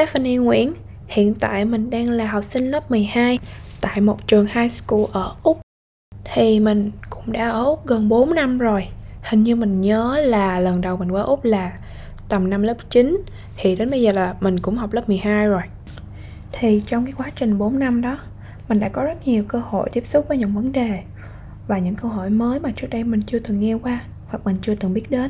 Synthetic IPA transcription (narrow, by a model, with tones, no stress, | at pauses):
tɛ˦˥fə˧ni˧ŋwḭ˧˥˨ən | hḭ˧˨ənt̪a̰ː˧˨jmï˨˩ŋ̟ɗaː˧ŋlaː˨˩ɦɔ˨˩wk͡p̚sï˧ŋ̟lə˦˥p̚m˨˩əjhaː˧jt̪a̰ː˧˨jmo˨˩t̚t͡ɕɨ˨˩əŋhaː˧jsku˧ʔəː˧˩ʔʊ˦˥k͡p̚ | t̪ʰi˨˩mï˨˩ŋ̟kʊ̰˧˥ŋ͡mɗa̰ː˧˩ʔəː˧˩ʔʊ˦˥k͡p̚ɣə˨˩nɓo˨˦nna˧mzo˨˩jhï˨˩ŋ̟ɲɨ˧mï˨˩ŋ̟ɲəː˨˦laː˨˩lə˨˩nɗə˨˩wŋ͡mmï˨˩ŋ̟kwaː˧ʔʊ˦˥k͡p̚laː˨˩ | t̪ə˨˩mna˧mləː˦˥p̚t͡ɕi˨˦n | t̪ʰi˨˩ɗe˨˦nɓə˧jzəː˨˩laː˨˩mï˨˩ŋ̟kʊ̰˧˥ŋ͡mha˨˩wk͡p̚lə˦˥p̚mɨ˨˩əjɦaː˧jzo˨˩j | t̪ʰi˨˩t͡ɕɔ˧wŋ͡mkaː˨˦jkwaː˨˦t͡ɕï˨˩ŋ̟ɓo˨˦nna˧mɗɔ˨˦ | mï˨˩ŋ̟ɗa̰ː˧˥kɔ˨˦zə˦˥t̚ɲi˨˩əwkəː˧ho̰˧˨jt̪i˦˥əp̚sʊ˦˥k͡p̚vəː˨˦ɲɨ̰˧˥ŋvə˨˦nɗe˨˩ | vaː˨˩ɲɨ̰˧˥ŋkəː˧wɦo˧˩˨jməː˨˦jmaː˨˩t͡ɕɨ˦˥k̚ɗə˧jmï˨˩ŋ̟t͡ɕɨ˧ət̪ɨ˨˩ŋːɛ˧kwaː˧ | va˨˩k̚mï˨˩ŋ̟t͡ɕɨ˧ət̪ɨ˨˩ŋɓi˦˥ət̚ɗe˨˦n